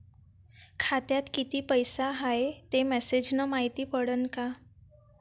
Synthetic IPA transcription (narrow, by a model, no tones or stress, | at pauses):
kʰat̪jat̪kit̪iːpəjsaɦaet̪emɛsed͡ʑnəmaɦit̪iːpəɽənka